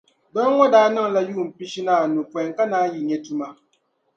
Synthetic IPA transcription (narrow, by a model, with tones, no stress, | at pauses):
dɔ˦n˦ŋɔ˦daː˦nɨ˦˨ŋla˦ju˦˨m̩˨pi˦ʃi˦naː˦˨nu˨pwɛ˨ŋ˨ka˦naː˦ji˨ɲɛ˦tu˦ma˦